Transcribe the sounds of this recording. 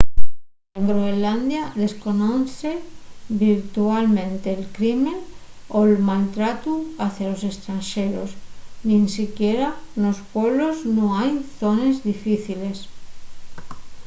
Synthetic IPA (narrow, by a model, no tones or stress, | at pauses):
eŋɡɾoeland̪jaðe̞sko̞noθeβiɾt̪ualmẽnt̪eːlkɾimẽn | oelmalt̪ɾat̪uaθjalose̞st̪ɾanʃeɾo̰snĩnsikjeɾanospweβloznõajθonezðifiθile̞s